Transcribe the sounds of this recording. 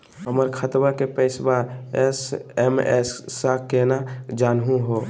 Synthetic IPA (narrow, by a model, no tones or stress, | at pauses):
ɦəməɾkʰət̪bakepəɪsbaesemɛ̰sːakenad͡ʒaːnɦũɦoː